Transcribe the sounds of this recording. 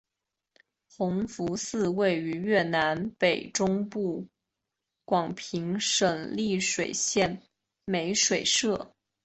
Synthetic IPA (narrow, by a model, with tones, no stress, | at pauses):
xʊ˧˥ŋfu˧˥sɹ̩˥˧we˥˩ɪy˧˥ɥɛ˥˩na˧˥npe˨˩ɪʈ͡ʂʊ˥ŋpu˥˩ | kwɑ˨˩ŋpʰi˧˥ŋʂə˨˩ŋli˥˩ʂwe˨˩ɪɕjɛ˥˩n | me˧˥ɪʂwe˨˩ɪʂɤ˥˩